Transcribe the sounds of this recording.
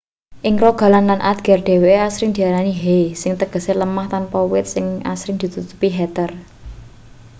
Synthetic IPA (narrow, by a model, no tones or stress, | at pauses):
ʔɪŋɾɔɡ̥a̤lanlanʔad̪ɡ̥ɛ̤rɖ̪̥e̤weeasɾɪŋd̪̥i̤aɾaniɦejsɪŋt̪əɡ̥ə̤seləmaht̪anpɔwɪt̪̚sɪŋa̰sɾɪŋd̪̥i̤t̪ut̪u̥piɦɛt̪ər